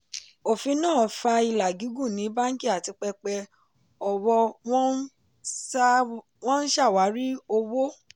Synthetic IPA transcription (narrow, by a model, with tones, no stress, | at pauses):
o˨fi˧˦nãː˦˨˦fa˧i˧la˨ɡi˨˦ɡũ˦˨nĩ˨˦ba˦ŋ̩˦ki˦˨a˨ti˧k͡pɛ˧k͡pɛ˧ | ɔ˨wɔ̃˧˦ | wɔ̃˦n̩˦ʃa˦˨wa˨˦ɾi˦o˧wo˦